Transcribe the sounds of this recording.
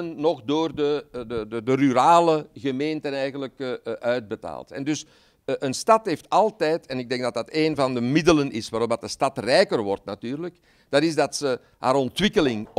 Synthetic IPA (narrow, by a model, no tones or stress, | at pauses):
ənːɔxdoːrdədədədəryɾaːləɣəmeːntənɛjɣənləkʔœɥd̚bəta̰ːlˠtɛ̰ndʏs | ʔənstɑtɦeːftɑlˠtɛjtɛnɪɡ̚dɛŋɡdɑtdɑteːnvɑndəmɪdələnɪsʋaːɾɔp̚dɑt̚dəstɑtrɛjkərʋɔrtnatyːrlək | d̥ɑtɪzdɑtsə | ɦa̰ːɾɔntʋɪkəlɪŋ